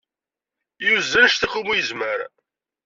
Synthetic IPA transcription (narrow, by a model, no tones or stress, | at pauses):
juzːənʃθiχumujəzməɾ